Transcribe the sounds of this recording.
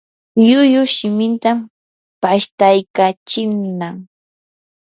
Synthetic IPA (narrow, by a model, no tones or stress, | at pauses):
ʎʊjʊʃɪmɪnt̪am | paʃt̪ajkat͡ʃɪnaŋ